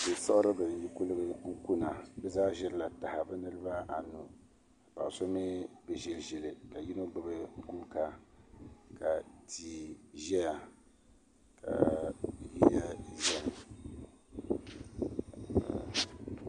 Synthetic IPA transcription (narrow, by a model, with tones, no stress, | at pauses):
dɨ˨sa˦ʔʊ˦ɾɨ˦bɨ˨n˨ji˦ku˦lɨ˦bɨ˦u˦ku˦na˨bɛ˦zaː˦ʒɛ˦ɾla˨ta˨ha˨bɛ˦nɨ˦ɾɨ˦ba˦ʔa˨nu˨ | pa̰˨so˦mi˦bɨ˨ʒɛ˨lʒɛ˨lɨ˨ka˨ji˦no˦ɡ͡bɨ˦bɨ˨kuː˦ka˨ | ka˨tʰi˨ʒɛ˦ja˨ | kʰa̰˨ji˦ja˦ʒɛ˦n˨